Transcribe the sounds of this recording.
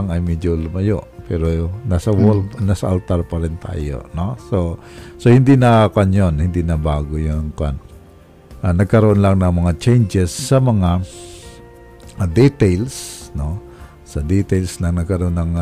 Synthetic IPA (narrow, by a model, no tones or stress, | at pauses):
ŋɐjmɛd͡ʒolʊmɐjo̰ʔpɛɾonasɐwolnasɐʔalt̪aɾpɐɾɪnt̪a̰ːjo̰noso | sohɪnd̪inɐkanjonhɪnd̪inɐbaːɡojoŋka̰n | ʔanɐɡ̚kɐɾoʔonlaŋnɐŋmɐŋat͡ʃɛjnd͡ʒɛsːɐmɐŋa | d̪it̪alsno | sɐd̪it̪alsnɐŋnɐɡ̚kɐɾoʔonːɐŋ